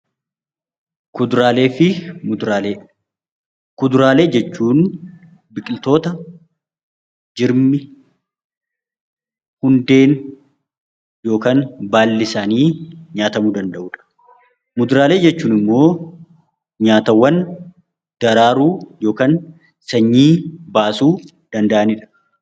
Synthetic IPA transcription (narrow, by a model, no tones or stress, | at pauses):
kʊd̪ɾaːle̞ːfɪmʊd̪ɾaːle | kʊd̪ʊɾaːle̞ːd͡ʒɛt͡ʃːuːn | bɪkʼɪlt̪o̞ːt̪ɐ | d͡ʒɪɾmɪ | hʊnd̪e̞ːn | jo̞ːkaːnbaːlːɪsaːniːɲaːt̪ɐmuːd̪ɐnd̪ɐʔuːᶑɐ̥ | mʊd̪ʊɾaːle̞ːd͡ʒɛt͡ʃːuːnɪmːo̞ː | ɲaːt̪ɐwːɐn | d̪̥ɐɾaːɾuːjo̞ːkaːn | sɐɲːiːbaːsuː | d̪̥ɐnd̪ɐʔɐnɪᶑɐ̥